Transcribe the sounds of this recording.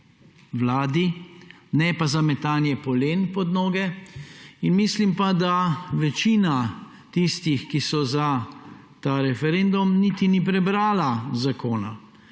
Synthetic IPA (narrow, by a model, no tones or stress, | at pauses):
ʋlaːd̪i | nɛpazamɛt̪aːnjɛpɔleːnpɔd̪noːɡɛ | inmislimpad̪aʋɛt͡ʃiːna | t̪ist̪ixkisɔza | t̪aːɾɛfɛɾend̪umnit̪inip̬ɾɛbɾaːlazakoːna